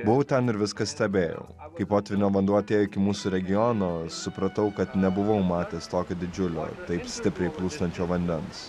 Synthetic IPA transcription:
bʊʋɐʊt̪ʲɛnɪɾʋʲɪskɐsʲt̪ʲɛbʲeːjɛ̰ʊkɐɪpoːt̪ʲʋʲɪnʲoːʋɐnd̪uɔt̪jɛɪkʲɪmuːsʊɾʲɛɡʲɪjɔːnoːsʊpɾɐt̪ɐʊkɐt̪nʲɛbʊʋɐʊmɑːt̪ʲeːst̪oːkʲoːd̪ʲɪd͡ʒʲʊlʲo̰ːt̪ɐɪpsʲt̪ʲɪpʲɾʲɛɪplˠuːst̪ɐnʲt͡ʃʲoːʋɐnʲd̪ʲɛns

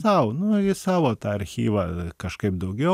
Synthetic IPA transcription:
ɐʊnʊɪsɑːʋoːt̪ɑːɐɾʲxʲḭːʋɐkɐʃkɐɪp̚d̪ɐʊɡʲɛ

